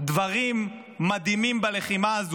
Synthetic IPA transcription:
d̪vaʁimː | ad̪imimbaleχimaaz

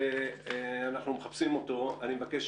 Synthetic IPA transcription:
e | anaχnumeχapsimo̞to̞animevakeʃ

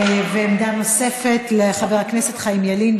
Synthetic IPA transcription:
vemd̪anose̞fe̞t̪leχaveʁaknese̞t̪χaimjalin

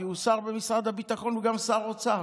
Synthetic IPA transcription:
iusaʁbemisʁad̪abit̪aχo̞nveɡamsaʁot͡sa

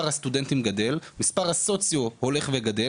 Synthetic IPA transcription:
aʁhast̪ud̪ent̪imɡade̞lmispaʁhaso̞t͡sjohole̞χveɡade

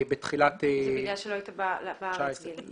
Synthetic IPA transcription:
bet̪χilat̪ejaʃeloajtablbat͡ʃaesʁe

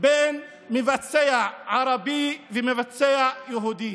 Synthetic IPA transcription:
beːn | mɪvat͡sːejaʕɑɾˤɑbivɪmevat͡sːejajaɦuːd̪i

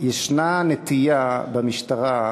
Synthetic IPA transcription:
jeʃnanet̪ijabemiʃtaʁa

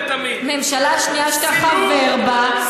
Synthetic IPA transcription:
memʃalaʃnijaʃt̪aχaveʁba

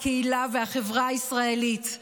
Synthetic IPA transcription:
kʰeilavehaχevʁaisʁaelit

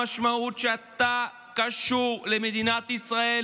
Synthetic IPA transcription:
aʃmaut̪̚t͡ʃeat̪ːa | kaʃuʁlemed̪inat̪isʁae

